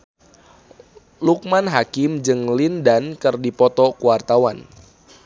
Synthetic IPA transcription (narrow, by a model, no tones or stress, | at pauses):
luk̚manɦakɪmd͡ʒɨŋlindankɨrdipɔt̪ɔkuwart̪awan